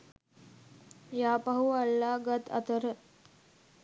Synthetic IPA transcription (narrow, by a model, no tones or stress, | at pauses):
jaːpaɦualːaːɡat̪ɐ̰t̪əɾə